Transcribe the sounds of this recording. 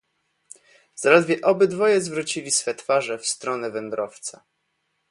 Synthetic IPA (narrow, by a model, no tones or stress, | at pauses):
z̥alɛd̪vʲjɛʔɔbɘd̪vɔjɛzvɾut͡ɕilʲisfɛt̪faʐɛfst̪ɾɔnɛvɛnd̪ɾɔft̪sɛ̰